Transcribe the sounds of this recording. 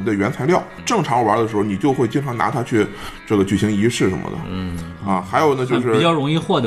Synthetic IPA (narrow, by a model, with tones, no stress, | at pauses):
i˨˩d̪ə˦ɥɛ˧˥nt͡sʰa˧˥ɪljɑ˥˩ʊʈ͡ʂɤ˥˩ŋʈ͡ʂʰɑ˧˥ŋwa̰˧˥d̪ə˧ʂ̬ɻ̩˧˥xo˥˧ʊni˨˩t͡ɕjo˥˧ʊxwe˥˧ɪt͡ɕi˥˩ŋʈ͡ʂʰɑ˧˥ŋna̰˧˥t̪ʰa˥t͡ɕʰy˥˧ʈ͡ʂɤ˥˩ɡə˩t͡ɕy˨˩ɕi˧˥ŋi˧˥ʂɻ̩˥˩ʂə˧˥mə̰˧d̪ə̰˩ɐ̰˧xa˧˥ɪjo˨˩ʊnə˦t͡ɕjo˥˧ʊʂɻ̩˥˧˨t͡ɕjɑ˥˩ʊɻʊ˧˥ŋi˥˧xwɔ˥˩d̪